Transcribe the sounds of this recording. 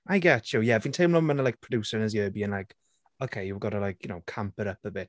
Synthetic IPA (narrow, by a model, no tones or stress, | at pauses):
ʔaɪɡɛtʰjojɛvĩntʰeɪmlɔmənəlaɪk̚pʰɹ̥əduːsəɹɪnəzjəːbiə̃nlaɪk | okʰeɪjəvɡɔɾəlajkʰjʊnowkʰãmpəɾəpəbɪt̚